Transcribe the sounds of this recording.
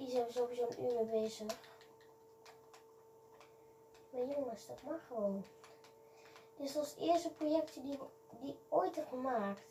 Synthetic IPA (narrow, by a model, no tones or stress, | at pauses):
isɛvəzowʋizowənyːməbeːzəx | majoŋəsd̥ɑtmɑχəʋown | d̥ɪsɑlˠsɪːɹstəprojɛktədi | diojtəχəmaːkt